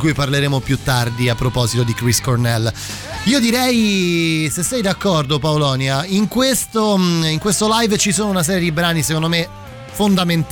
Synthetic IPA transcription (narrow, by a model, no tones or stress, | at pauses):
kujparleɾeːmopjut̪ːard̪iapːɾopɔːzit̪od̪ikɾiskornɛl | iːod̪iɾɛj | sesːɛjd̪akːɔrd̪opaolɔːnjaiŋkwest̪oiŋkwest̪olajvt͡ʃisoːnounas̬ɛːɾjed̪ibɾaːnisekond̪ome | fond̪ament̪